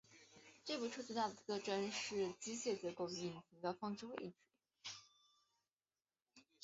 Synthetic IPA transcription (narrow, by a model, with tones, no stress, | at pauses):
ʈ͡ʂɤ˥˧pu˥˩ʈ͡ʂʰɤ˥t͡sɹ̩˥˩t̪a˥˩d̪ə˩˧˥ɤ˥˩ʈ͡ʂə˥nʂɻ̩˥˩t͡ɕi˥ɕjɛ˥˩t͡ɕjɛ˧˥ko˥˧ʊy˧i˥˨˩nɕi˧˥ŋd̪ə˧fɑ˥ŋʈ͡ʂu˥we˥˩ɪt͡ɕi˨˧˩